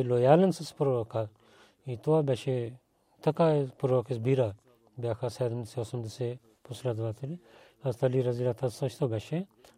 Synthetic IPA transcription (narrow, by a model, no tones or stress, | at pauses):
loːjaːlɐnsɐspuɾoɐka | it̪oabʲɐʃe | t̪ɐkaspuɾokesbiɾa | bʲakʰasɛːd̪ɐmd̪iseosɐmd̪ise | pʰuslad̪ʋaːt̪ʰiɾi | ɐzt̪ɐliɾɐziɾat̪ʰɐsɐʃʰt̪ʰobʲɛʃe